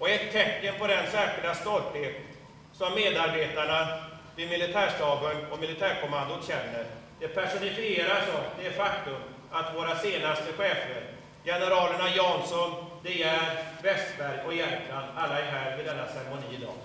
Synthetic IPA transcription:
ɔɛt̪ʰːɛkːənpʰɔd̪ɛnsɛːɧɪɖast̪ɔlt̪heːt̪ | sɔmːeːd̪aɾbeːt̪aɳa | vɪmɪlːɪt̪ʰæːʂt̪ɑːbənɔmɪlɪt̪ʰæːɾkʰɔmand̪ʊɕɛnːəɾd̪̥ɛpʰæʂʊnɪfɪeːɾaʂɔmd̪ɛæɾfakt̪ɵm | at̪voːɾaseːnast̪əɧɛːfəɾ | jɛnəɾɑːləɳajɑːnsɔnd̪ɛæɾvɛst̪bæɾjɔjæɾkland̪alːaæɾɦæːɾvɪd̪ɛnːasɛɾɛmʊniːɪd̪ɑ̰ːɡ

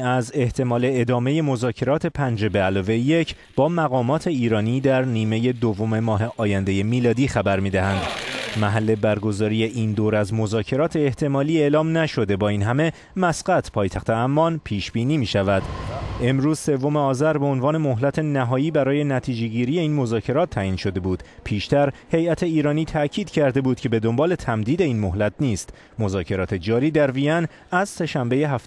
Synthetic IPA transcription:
æze̞ht̪ʰe̞mɒːle̞ːd̪ɒːme̞je̞mo̞zɒːcʰe̞ɾɒːt̪ʰe̞pʰænd͡ʒe̞be̞ælɒːve̞jje̞cʰ | b̥ɒːmæɣɒːmɒːt̪ʰe̞iːɾɒːniːd̪æɾniːme̞je̞d̪ovːo̞me̞mɒːɦe̞ʔɒːjænd̪e̞je̞miːlɒːd̪iːxæbæɾmiːd̪æhænd̪mæɦælːe̞bæɾɡo̞zɒːɾije̞ʔiːnd̪oːɾæzmo̞zɒːcʰe̞ɾɒːt̪ʰe̞ːht̪ʰe̞mɒːliːeːlɒːmnæʃo̞d̪e̞bɒːiːnɦæme̞ | mæsɢæt̪ʰpʰɒːjt̪ʰæxt̪ʰe̞æmːɒnpʰiːʃb̥iːniːmiːʃævæd̪̥e̞mɾuːzse̞vːo̞me̞ɒːzæɾbe̞onvɒːne̞mo̞ɦlæt̪ʰe̞næɦɒːiːbæɾɒːje̞næt̪ʰiːd͡ʒe̞ɟiːɾije̞iːnmo̞zɒːcʰe̞ɾɒːt̪ʰːæːʔiːnʃo̞d̪e̞buːd̪̥ | pʰiːʃt̪æɾhe̞jæt̪ʰe̞iːɾɒːniːt̪ʰæcʰiːd̪̥cʰæɾd̪e̞buːd̪̥̚cʰʲe̞be̞d̪o̞mbɒːle̞t̪ʰæmd̪iːd̪e̞iːnmo̞ɦlæt̪̚ʰniːst̪ | mo̞zɒːcʰe̞ɾɒːt̪ʰe̞d͡ʒɒːɾiːd̪æɾviæn | æzse̞ʃæmbe̞jeɦæf

